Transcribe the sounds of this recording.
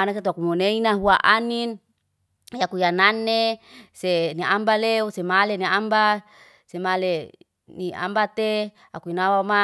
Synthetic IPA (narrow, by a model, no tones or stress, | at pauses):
anas̬et̪uakumoneinaɦuaʔanin | jakujananːeseniambaleusemaleniamba | semale | nia̰mbat̪e | akuinawama